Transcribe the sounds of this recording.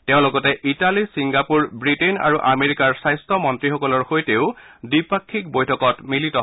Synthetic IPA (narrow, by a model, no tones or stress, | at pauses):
tɛʊ̃loɡɔtɛʔitalisiŋɡapuɹbɹitena̰ɹuʔameɹikaɹsajstɔmɔntɹixɔkɔlɔɹxojteʊdipakʰːik̚bojtʰɔkɔtmilitɔ